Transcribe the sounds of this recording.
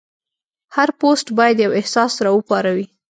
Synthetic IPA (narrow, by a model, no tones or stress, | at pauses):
haɾposʈbɑjad̪jawɪhsɑsɾɑəpɑɾawi